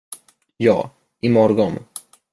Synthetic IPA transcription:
jɑ̰ː | ʔɪmɔɾɡɔn

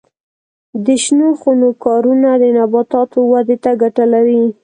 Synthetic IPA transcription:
d̪əʃnoxonokɑɾunad̪ənabɑt̪ɑt̪owad̪et̪aɡaʈalawi

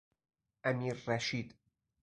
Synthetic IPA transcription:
ʔamiːɾːɑʃiːd̪

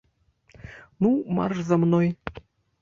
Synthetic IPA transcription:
numɑ̰rzəmnoj

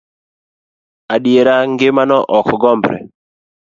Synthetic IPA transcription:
aɗjeɾaŋɡɪmanɔʔɔkɡɔmbɾɛ̰

